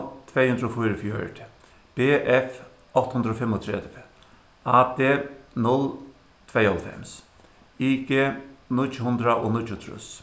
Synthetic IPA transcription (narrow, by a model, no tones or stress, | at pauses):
t̪ʰvɛːhʉnd̪ɾoːfʊjɾəfjœ̰ɹʈ̪ | b̥eːʔɛf | ɔht̪hʊnd̪ɾoːfɛmːɔt̪ʰɾɛ̰d̪v | aːd̪eːnʊl | t̪ʰvɛjɔlfɛ̰ms | iɡeːnʊhʊnd̪ɾaʔoːnʊtːʊt̪ʰɾʊ̰s